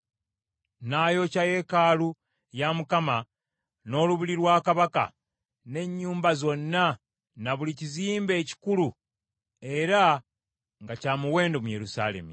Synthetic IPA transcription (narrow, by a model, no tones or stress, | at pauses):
najo̞caje̞kalu | jamukama | no̞ːluβiliɾwaːkaβaka̰ | ne̞ɲːuːmbazo̞nːa | naβuliciziːmbe̞ːci̥kulu | e̞ɾa | ŋɡacaːmuwe̞ːndo̞muje̞ɾusa̰le̞̰mi